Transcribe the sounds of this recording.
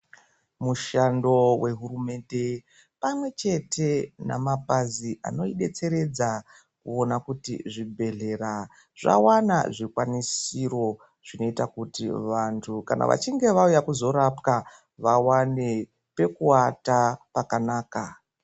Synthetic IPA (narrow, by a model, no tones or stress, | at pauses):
muʃando̞we̞ɦurume̞nde̞ | pamwe̞t͡ʃe̞tʰe̞na̰mapaziʔa̰no̞iɗe̞t͡se̞ɾe̞d͡za | kuonakutḭʐibʱe̞ɮe̞ɾa | ʐa̰wana̰ʐikwanisiro̞ | ʐ̥ino̞itakutḭʋantʰuka̰na̰ʋa̰t͡ʃiŋɡe̞ʋaujakuzo̞ɾapka | ʋawane̞ | pe̞kuatapakanaːka